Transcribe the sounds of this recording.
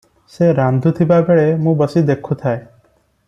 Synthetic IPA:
seɾand̪ʱut̪ʰibabeɭemũbɔsid̪ekʰut̪ʰae

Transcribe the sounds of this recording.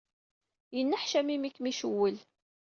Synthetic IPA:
jənːæħʃæmimikːmiʃəwːəl

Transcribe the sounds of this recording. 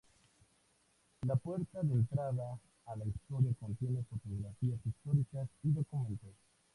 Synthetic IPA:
lapwe̞ɾt̪aðent̪ɾaðaː | laist̪o̞ɾjakont̪jenefot̪oɣɾafiasist̪oɾikasiðokumẽnt̪os

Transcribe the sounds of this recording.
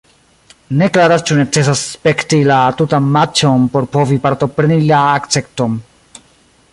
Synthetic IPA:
ne̞klaɾast͡ʃune̞t͡se̞s̬aspe̞ktilatutanmat͡ʃo̞npo̞ɾpo̞vipaɾto̞pɾenilaːkt͡se̞kto̞n

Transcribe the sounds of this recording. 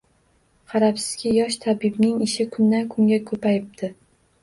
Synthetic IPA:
qʰɑɾapsɪ̥z̥kʲajɒʃt̪ʰabɪbnɪŋɪʃɪkʰʊnːankʰʊŋɡʲakʰɵpajɪp̚t̪ʰɪ

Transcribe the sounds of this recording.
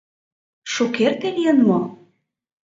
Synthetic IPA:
ʃukert̪elijənmo

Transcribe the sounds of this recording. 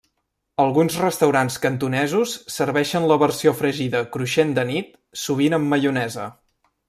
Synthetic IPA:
əlˠɣunzrəst̪əwɾanskənt̪unɛzusːəɾβɛʃənləβərsiofɾəʒiðəkɾuʃend̪ənit̪ | suβ̞inəmːəʎunɛzə̰

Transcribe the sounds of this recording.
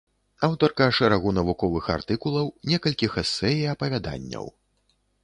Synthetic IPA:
awt̪ɐrkɐʂɛɾaɣunɐvukɔvɨxa̰rt̪ɨkulˠɐwnʲɛkɐlʲkʲixɛsːɛjiɐpɐvʲad̪a̰nʲːɐ̰w

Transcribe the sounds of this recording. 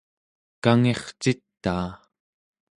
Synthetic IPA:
kaŋe̞χt͡ʃit̪ːaː

